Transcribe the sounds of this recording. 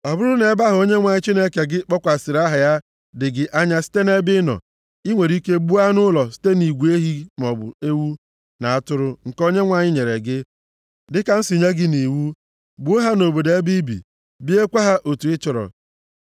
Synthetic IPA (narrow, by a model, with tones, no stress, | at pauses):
a˨bʊ˦ɾʊ˦ne˨˦ba˦ɦo˦ɲe˦ŋʷa˨ɲɪ˦t͡ʃi˦ne˦ke˨ɡɪ˦k͡pɔ˦kʷa˨sɪ˨ɾa˦ɦa˨ja˦ | dɪ˨ɡɪ˦ʔa˦ɲa˦si̥˦te˦ne˦bɪ˦nɔ̰˨ | i˦ŋʷe˨ɾi˦ke˦bu˦a˦nʊ˦lɔ˨si̥˦te˦ni˨ɡʷu˨˦e˦ɦi˦m˨ɔ˨bʊ̰˨e˦wu˦ | na˨a˦tʊ˦ɾʊ˦ŋ̩˨ko˦ɲe˦ŋʷa˨ɲɪ˦ɲe˨ɾe˨ɡɪ˦ | dɪ˦ka˨n̩˦si˨ɲe˦ɡɪ˦ni˨wu˦ | bu˦ɦa˦no˨bo˨de˦bi˦bḭ˨ | bi˦e˦kʷa˦ɦa˦ʔo˨tu˨ɪ˦t͡ʃʊ˨ɾɔ̰˨